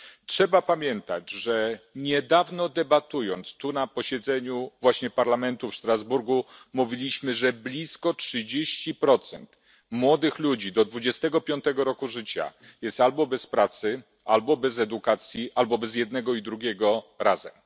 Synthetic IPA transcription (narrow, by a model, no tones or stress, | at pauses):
tʂɛbapamʲjɛnt̪ad͡ʑʐɛɲɛd̪avnɔd̪ɛbat̪ujɔnt̪st̪unapɔɕɛd̪zɛɲuvwaɕɲɛpaɾlamɛnt̪ufʂt̪ɾazbuɾɡumuvʲilʲiɕmɘʐɛblʲiskɔtʂɘd͡ʑeɕt͡ɕipɾɔt̪sɛ̰nt̪ | mwɔd̪ɘxlud͡ʑid̪ɔd̪vud͡ʑɛst̪ɛɡɔpʲjɔnt̪ɛɡɔɾɔkuʐɘt͡ɕa̰jɛst̪albɔbɛspɾat̪sɘ | albɔbɛzɛd̪ukat̪sʲjiʔalbɔbɛzjɛd̪nɛɡɔid̪ɾuɡʲɛɡɔɾa̰zɛm